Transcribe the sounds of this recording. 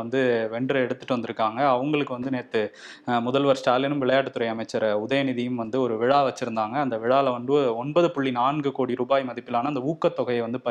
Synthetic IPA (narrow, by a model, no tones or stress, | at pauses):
ɐnd̪ɯʋɛɳɖɾɐɛɽɯt̪ːɯ̥ʈːɯʋɐnd̪ɪɾɯkːaːŋɡɐːʋɐŋɡɐɭɯkːɯʋɐnd̪ɯneːt̪ːɯmʊðɐlʋɐɾsʈaːlɪnɯmʋɪɭɐjaːʈːɯt̪ːʊɾɐɪɐmɐɪt͡ʃːɐɾʊðɐjɐnɪðijɯmʋɐnd̪ɯɔɾɯʋɪɻaːʋɐt͡ʃːɪɾɯnd̪aːŋɡɐːnd̪ɐʋɪɻaːlɐʋɐɳd̪ɯɔɳbɐðɯpʊɭːinaːnɡɯkoːɽiɾuːbaːjmɐðɪpːɪlaːnɐɐnd̪ɐuːkːɐt̪ːɔɣɐjɐʋɐnd̪ɯpɐ